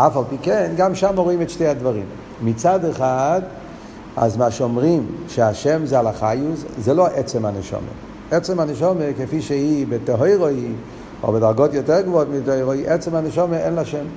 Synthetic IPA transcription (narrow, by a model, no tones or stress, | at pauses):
afalˠpikɛnɡamʃamaʁoimɛtʃtejadvaʁḭm | mit͡sadeχad | a̰zmaʃeomʁimʃeaʃɛmzealaχajuzzɛloʔɛt͡sɛmhanɛʃɔ̰mḛ | ɛt͡sɛmaneʃɔmekefiʃeibeteɦoɪʁoj | o̰bedaʁɡotjotɛʁɡvootmitojʁojʔɛt͡sɛmanɛʃɔmeɛnlaʃɛm